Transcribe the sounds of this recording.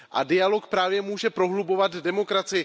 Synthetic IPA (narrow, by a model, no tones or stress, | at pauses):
ʔa̰dɪjalo̞kpɾaːvjɛmuːʒɛpɾo̞ɦlubo̞vat̪dɛmo̞kɾat͡sɪjɪ